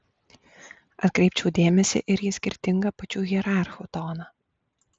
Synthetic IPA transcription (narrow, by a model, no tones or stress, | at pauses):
ɐt̪̚kɾʲɛɪp̚ʲt͡ʃʲɛʊd̪ʲeːmʲɛsʲɪ̰ʔɪɾjɪsʲkʲɪɾʲt̪ʲɪŋɡɐpɐt͡ʃʲuːɣʲiɛɾɑˑɾxut̪oːnɐː